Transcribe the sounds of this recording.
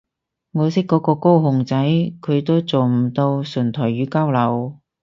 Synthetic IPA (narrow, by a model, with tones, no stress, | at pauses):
ŋɔː˨˧sɪ˥kːɔː˨˥kɔː˧ko˥wɦʊ˨ŋt͡sɐ˨˥jkʰɵ˨˧ɥt̪o˥wt͡so˨wm̩˨˩t̪o˧wsɵ˨˩nt̪ʰɔː˨˩jɥyː˨˧˥kaː˥wlɐ˨˩w